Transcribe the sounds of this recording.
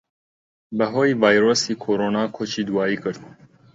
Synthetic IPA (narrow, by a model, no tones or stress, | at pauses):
bɛɦoːjvɑːjɾoːsiːkʰoːɾoːnɑːkʰot͡ʃiːd̪uwɑːiːkɨɾd̪̚